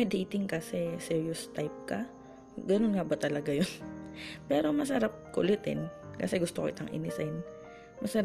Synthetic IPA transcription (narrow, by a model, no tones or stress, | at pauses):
mɐjd̪iːt̪ɪŋkɐsɛsɛɹjost̪ajp̚kɐ | ɡɐnonŋɐbɐt̪ɐlɐɡajonpɛːɾo̞mɐs̬ɐɾap̚kʊ̰lɪt̪ɪ̰nkɐsɛɡʊst̪okoʔɪ̰t̪ɐŋʔɪ̰nɪsɐjn | mɐsɐɾ